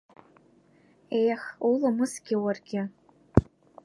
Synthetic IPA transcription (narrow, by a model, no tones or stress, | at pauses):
ejaχulamɨsɡʲɪwarɡʲɪ